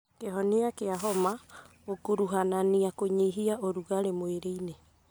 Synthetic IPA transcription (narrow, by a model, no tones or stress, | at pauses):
keɦɔniakeaɦɔmaɣokuɾuɦananiakoɲeɦiaoɾuɣaɾemoeɾeine